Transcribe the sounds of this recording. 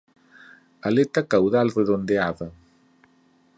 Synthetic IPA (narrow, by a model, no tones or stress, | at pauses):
alet̪akawðalreðond̪eaðɐ